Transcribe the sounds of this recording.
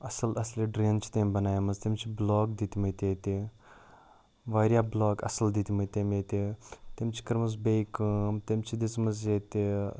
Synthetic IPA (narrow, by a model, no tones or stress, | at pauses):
ɐsəlɐsliɖɾeːnt͡ʃʰi̥t̪embɐnaːjamɐzt̪emʲt͡ʃʰibloːɡd̪it̪imɐt̪et̪e | ʋaːɾjaːbloːɡɐ̰səld̪it̪ʲimət̪emeːt̪et̪emt͡ʃʰi̥kɐɾmɐz̬bekəmt̪emt͡ʃʰid̪it͡smɐzjet̪e